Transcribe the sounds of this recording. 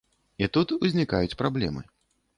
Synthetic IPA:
it̪ut̪uzʲnʲikajut͡sʲpɾablʲɛ̰mɨ̰

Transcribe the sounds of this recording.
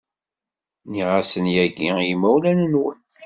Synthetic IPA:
niʁasənjæɡijmæwlænənwən

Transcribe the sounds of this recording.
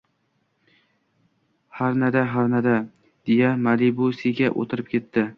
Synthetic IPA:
haɾnad̪aɦaɾnad̪a | d̪̥ejamalibosiɡʲaʔo̰t̪ʰɪɾɪp̚kʲʰe̞t̪ːɪ

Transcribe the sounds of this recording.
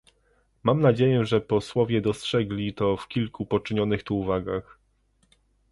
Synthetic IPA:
mamnad͡ʑejɛʐɛpɔswɔvʲjɛd̪ɔstʂɛɡlʲit̪ɔfkʲilkupɔt͡ʂɘɲɔnɘxt̪uːvaɡax

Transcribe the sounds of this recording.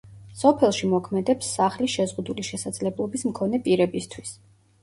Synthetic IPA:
sɔpʰɛlˠʃimɔkʰmɛd̪ɛpsːaχliʃɛzʁud̪uliʃɛsad̪z̥lɛblˠɔbismkʰɔnɛpʼiɾɛbist̪ʰwis

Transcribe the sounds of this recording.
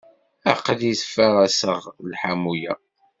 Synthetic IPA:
æ̰qːəðisfæʁæsəʁlħamujæ̰

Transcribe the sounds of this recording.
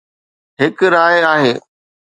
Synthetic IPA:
ɦɪkɾaːjaːɦeː

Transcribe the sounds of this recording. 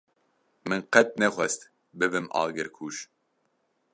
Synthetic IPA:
mɨnqɛt̪̚nɛχʷɛst̪ | bɨbɨmʔɑ̰ːɡɪɾkʰuːʃ

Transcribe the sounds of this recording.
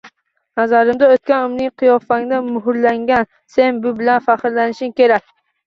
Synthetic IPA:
nazaɾɪmd̪aot̪̚kʲanʊmnɪŋqʰɨjɒfaŋnamʊɦʊɾlaŋɡʲan | se̞nbʊbɪlanfaqɾlanɪʃɪmkʲʰe̞ɾak̚ʲ

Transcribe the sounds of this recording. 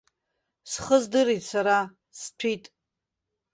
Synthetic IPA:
sχəzdɨritsaɾa | st͡ɕʷʰitʼ

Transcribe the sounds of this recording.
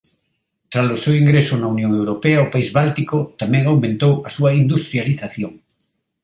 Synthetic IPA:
t̪ɾalosewiŋɡɾesʊnaunjõŋewɾopeaopaizβalt̪ikot̪amɛ̃ŋawmẽnt̪owɐsuɐind̪ust̪ɾjaliθaθjoŋ

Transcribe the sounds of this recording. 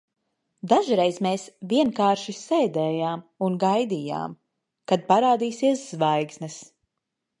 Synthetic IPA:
d̪aʒiɾejzmeːsviɛnkaːɾʃisɛːd̪ɛːjaːmunɡajd̪ija̰ːm | kad̪̚paɾaːd̪iːsiɛsz̥vajɡsnɛs

